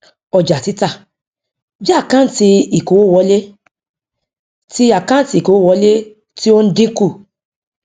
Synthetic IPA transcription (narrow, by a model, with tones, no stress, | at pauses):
ɔ˨d͡ʒa˨ti˨˦ta˦˨ | d͡ʒa˦˨kã˦ti˧i˨ko˨˦o˦˨wɔ˨˧˦le˦ | ti˦a˦˨kã˦n˦ti˧˨ko˨˦o˦˨wɔ˨˧˦le˦ | ti˦o˦n̩˦dĩ˦ku˦˨